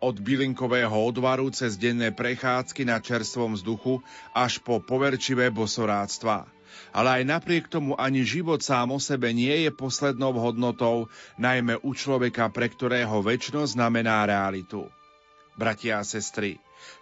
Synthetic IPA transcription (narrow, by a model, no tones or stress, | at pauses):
ɔd̪biliŋkɔʋɛːɦɔɔd̪ʋaɾut͡sɛzɟɛnːɛːpɾɛxaːt͡skinat͡ʃɛɾst̪ʋɔmvzd̪uxuaʃpɔpɔʋɛɾt͡ʃiʋɛːbɔsɔɾaːst̪ʋa̰ː | a̰lɛajnapɾɪɛkt̪ɔmuʔaɲiʒiʋɔt̪saːmɔsɛbɛɲɪɛjɛpɔslɛd̪nɔʊɦɔd̪nɔt̪ɔʊnajmɛʔut͡ʃlɔʋɛkapɾɛkt̪ɔɾɛːɦɔʋɛt͡ʃnɔznamɛnaːɾɛalit̪ṵ | bɾacɪaːsɛst̪ɾi